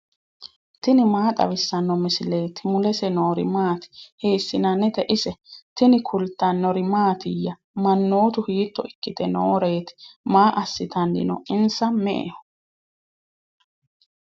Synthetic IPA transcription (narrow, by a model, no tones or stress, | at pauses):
t̪ɪnɪmaːt̪ʼɐ̰wɪsːɐnːɔmɪsɪle̞ːt̪ɪmʊlɛsɛnoːɾɪ̰maːt̪ɪ̥heːsːɪnɐnɛd̪ɛʔɪsɛt̪ɪnɪkʰʊlt̪ːɐnːɔɾɪmaːt̪ɪjːɐ | mɐnːo̞ːt̪ʊhiːt̪ːɔɪkːɪt̪ɛno̰ːɾeːt̪ɪ̥maːʔɐsːɪt̪ɐnd̪ɪ̰nɔ̰ɪnsɐmɛ̰ʔḛhɔ̥